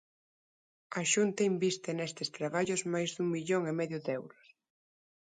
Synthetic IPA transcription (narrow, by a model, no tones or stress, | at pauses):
aʃunt̪ɐimbist̪ɪnest̪ɪst̪ɾaβ̞aʎʊzmajzðuŋmiʎoŋemɛðjʊðɛwɾʊs